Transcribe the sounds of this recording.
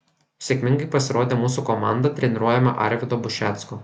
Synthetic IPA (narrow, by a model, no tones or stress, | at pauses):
sʲeːkʲmʲɪŋɡɐɪpɐsʲɪɾʔoːd̪ʲeːmuːsukɔmɑˑnd̪ɐt̪ʲɾʲɛnʲɪɾuɔjɛmɐʔɐ̰ɾʲʋʲɪd̪oːbʊʃʲæt̪sko